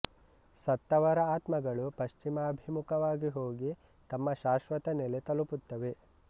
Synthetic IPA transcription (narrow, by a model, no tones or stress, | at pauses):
sɐt̪ːɐʋɐɾɐaːt̪mɐɡɐɭupɐʃt͡ʃimaɐbʱimukɐʋaːɡiɦoːɡi | t̪ɐmːɐʃaːʃʋɐt̪ɐnelet̪ɐluput̪ːɐʋe̞